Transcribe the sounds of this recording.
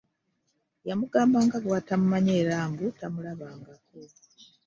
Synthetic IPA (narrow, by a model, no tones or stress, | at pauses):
jamuɡaːmbaːŋɡaβwatamumaɲeːɾaːŋɡutamulaβaːŋɡako